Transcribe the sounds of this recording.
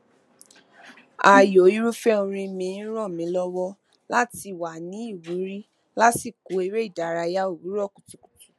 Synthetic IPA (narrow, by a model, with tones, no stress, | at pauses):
a˨jo˨i˦ɾu˦fɛ˦ũ˧ɾ̃ĩ˧mĩ˧˦ɾ̃ɔ̃˦˨mĩ˨˦lɔ˦wɔ˦ | la˦ti˧˨wa˨nĩ˨˦i˦˨wu˨˦ɾi˦ | la˦si˦˨ko˨˦i˧˦ɾe˦i˦˨da˨ɾa˧ja˦o˦˨wu˨˦ɾɔ˦˨ku˨tu˨˦ku̥˨tu̥˨